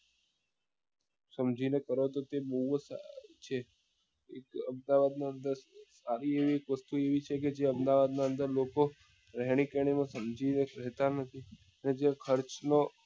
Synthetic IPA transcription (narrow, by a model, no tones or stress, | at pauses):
səmd͡ʒinekəɾot̪ot̪ebəɦusat͡ʃʰe | ekəmd̪aʋad̪naənd̪əɾsaɾieʋiekʋəst̪ueʋit͡ʃʰek̬ed͡ʒeəmd̪aʋad̪naənd̪əɾloko | ɾɛɦɽ̃ikeɽ̃imãsəmd͡ʒineɾɛɦt̪anət̪ʰi | əned͡ʒekʰəɾt͡ʃno